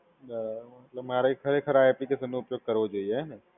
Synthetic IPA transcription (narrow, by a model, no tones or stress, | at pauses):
mɐt̪ləbmaːɾaikʰɐɾekʰɐɾaːeɐpnikesəneʊpjoːɡ̚kɐɾod͡ʒoiɛn